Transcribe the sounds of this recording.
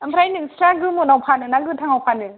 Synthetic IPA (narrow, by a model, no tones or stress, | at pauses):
ɐmpʰɾajnɯmsɾaɡɯmunawpʰanɯnaɡɯtʰaŋawpʰanɯ